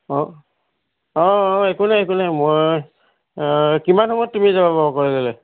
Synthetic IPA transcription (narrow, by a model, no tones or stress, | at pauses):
ɔ | ɔekunaekunamoj | kimanɦɔmɔjt̚tumizabababɔkɔɹilɔlɛ